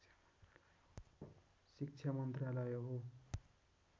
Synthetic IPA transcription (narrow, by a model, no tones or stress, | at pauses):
sik̚t͡ʃʰamʌnt̪ralʌjɦo